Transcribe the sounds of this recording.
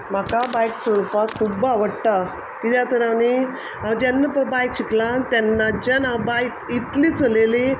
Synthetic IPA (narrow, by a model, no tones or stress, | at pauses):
m̤akabajkt͡ɕəɭfakʰubaʋəɽt̪a | kit̪jat̪əɾani | ad͡ʑɛnːapəbajkɕiklãnt̪anːad͡ʑanabajk̚it̪liːt͡səleli